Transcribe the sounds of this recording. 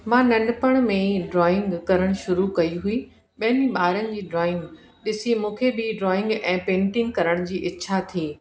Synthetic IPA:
mãːnɐ̃ɳɖpəɽ̃mẽɖɾɔːɪ̃ŋɡkɐɾəɽ̃ʃʊɾukɐiɦui | ɓɐɦənĩɓaːɾənɪ̆d͡ʑiːɖɾɔːɪ̃ŋɡ | ɗɪsimũːkʰebɪɖɾɔːɪ̃ŋɡɛ̃ːpẽːɳʈɪ̃ŋɡkɐɾəɽ̃d͡ʑiːʔɪtːɕʰat̪ʰiː

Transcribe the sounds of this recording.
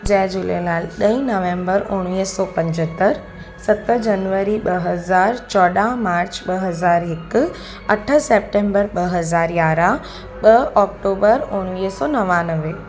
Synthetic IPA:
d͡ʑɛːd͡ʒulelaːlɗəĩnəʋẽmbəɾʊɽ̃iːsɔːpɐ̃ɲd͡ʑət̪ːəɾ | sɐt̪d͡ʒɐnʋəɾiɓɐɦəzaːɾt͡ʃɔːɗamaːɾt͡ʃɓəɦɐzaːɾɦɪk | ɐʈʰəseːp̚ʈẽːmbəɾɓəɦəzaːɾjaːɾã | ɓəɔːk̚ʈoːbəɾʊɽ̃ʋiːsɔːnɐʋãnəʋe

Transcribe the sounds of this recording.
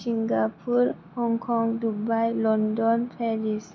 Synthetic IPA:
siŋɡapʰuɾhɔŋkʰɔŋdubajlɔndɔnpʰɛɾis

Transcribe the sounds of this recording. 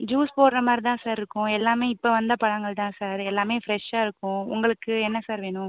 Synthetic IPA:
d͡ʒuːspoːɽɾɐmaːɾit̪ãːsaːɾɪɾɯkːʊ̃ɛlːaːmeːɪpːɐʋɐnd̪ɐpɐɭɐŋɡɐɭt̪ãːsaːɾɛlːaːmeːfɾɛʂaːɪɾɯkːʊ̃ʊ̰ŋɡɐɭɯkːɯɛnːɐsaːɾʋeːɳʊ̃

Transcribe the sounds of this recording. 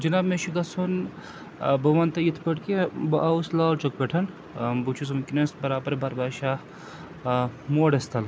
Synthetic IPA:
d͡ʒɐnaːbmeʃiɡɐsʰon | bɐʋɐnt̪ɐjit̪ʰpɐʈkebɐʔauslaːlt͡ʃɐk̚peʈʰɐn | but͡ʃʰus̬ɐmkʲinɐsbɐɾaːbɐɾbʱɐɾbaːʃaː | moːɽɐst̪ɐl

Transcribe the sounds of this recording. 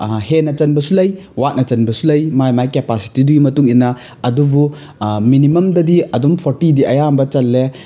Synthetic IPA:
henɐt͡ʃɐnbɐsulɐjwat̚nɐt͡ʃɐnbɐsulɐjmajmajkepasi̥tiduɡimɐtuŋinːɐ | ɐdubu | minimɐmdɐdiɐdumpʰoɾtidiʔɐjambɐt͡ʃɐlːe

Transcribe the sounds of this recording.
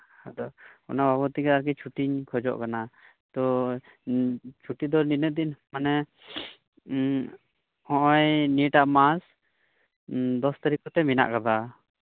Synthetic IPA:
had̪ɔɔnababɔt̪ikɛaɾkɛt͡ʃʰuʈiɲkʰɔd͡ʒɔ̰ʔkana | t̪ɔ | t͡ʃʰuʈid̪ɔninəʔ̚d̪inmanɛ | ɔ̃ʔɔjniʈaʔmas | d̪ɔst̪aɾikɔt̪ɛmina̰ʔkab̪a

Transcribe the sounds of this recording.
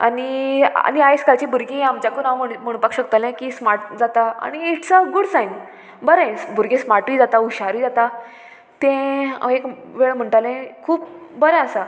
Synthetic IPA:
a̰nia̰niajskalt͡ɕibuɾɡĩamt͡ɕjakunaʋməməɽ̃upakɕəkt̪alɛ̃kismaʈd͡zat̪aa̰ɽ̃iiʈʰt͡saɡuɽsãjn | bəɾɛ̃sbʱuɾɡẽsmaʈʋiːd͡zat̪auɕaɾiːd͡zat̪a | t̪ẽek | ʋeɭm̤əɳʈalɛ̃kʰuːp̚bəɾɛ̃əsa

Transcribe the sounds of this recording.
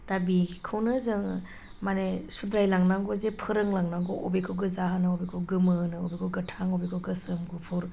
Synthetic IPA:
dabikʰɯwnɯzɯŋ | manesud̪ɾajlaŋnaŋɡozepʰɯɾɯŋlaŋnaŋɡɔʔobekʰɯɡɯzaɦanɯobekʰɯɡɯmɯnɯobekʰoɡɐtʰaŋobekʰoɡɯsɯmɡupʰuɾ

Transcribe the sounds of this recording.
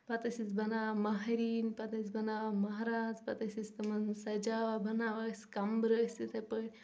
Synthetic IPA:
pɐt̪ɐsisbɐnaːʋmɐɦɐɾiːnpɐt̪ɐs̬bɐnaːmɐɦaɾaːd͡zpɐt̪ɐsist̪ɐmɐnsɐd͡ʒaːʋabʱɐnaːʋasʲkɐmbɾəsʲit̪ʰɐpəʈʲ

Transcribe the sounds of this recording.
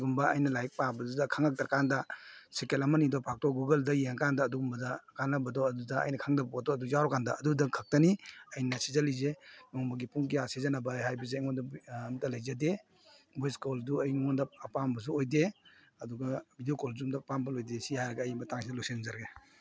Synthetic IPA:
ɡumbɐɐjnɐlajk̚pabɐdudɐkʰaŋak̚tɐɾkandɐsekelɐmanidɔpʰak̚tɔɡuɡɐldɐjeŋkandɐːduɡumbɐdɐkanlabɐdɔɐdudɐɐ̰jnɐkʰaŋdabapadɔːduzawɾɔkandɐːdudɐkʰɐk̚tɐniɐjnɐsizɐlizenɔŋbɐɡipuŋkijasizanɐbɐhajbɐzeŋɔndɐmtalajzade | bɔjskolduɐjŋɔndɐɐpambɐs̬uojde | ɐduɡɐbidiokolzuumdapambɐlojdesihajɾɐɡaːjmbɐtaŋsʰidɐloksenzɐɾɡe

